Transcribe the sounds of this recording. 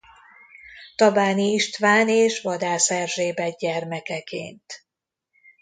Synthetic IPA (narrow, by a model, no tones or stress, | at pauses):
t̪ɒbaːniiʃt̪ʋaːneːʃʋɒd̪aːsɛrʒeːbɛɟɛrmɛkɛkḛːnt̪